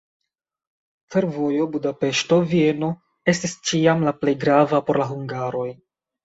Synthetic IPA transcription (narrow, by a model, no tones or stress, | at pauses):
fe̞ɾvo̞jo̞budape̞ʃto̞vie̞no̞ | e̞stist͡ʃiamlaple̞jɡɾavapo̞ɾlaɦuŋɡaɾo̞j